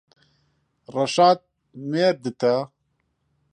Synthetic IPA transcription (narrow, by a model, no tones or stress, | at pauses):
rɐʃaːt̪̚ | meːɾd̪ɨt̪ʰa